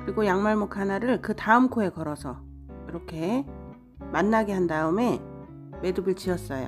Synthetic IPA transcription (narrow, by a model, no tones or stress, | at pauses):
kɯɾiɡojaŋmaɭmokʰanaɾɯɭkɯtaɯmkʰoe̞kʌɾʌsʰʌ | iɾʌkʰe̞ | manːaɡeɦandaɯme̞ | me̞dɯbɯɭt͡ɕiʌs͈ʌjo̰